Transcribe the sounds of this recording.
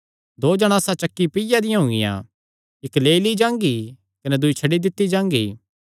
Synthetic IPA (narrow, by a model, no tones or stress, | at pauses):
d̪oːd͡ʒɐɽ̃aːsãt͡ʃɐkːipɪjad̪ɪ̃jãɦõːŋɡɪ̰jã̰ | ɪkleːilid͡ʒãːŋɡi | kɐnɛd̪ʊit͡ʃʰɐɽid̪ɪt̪ːid͡ʒãːŋɡḭː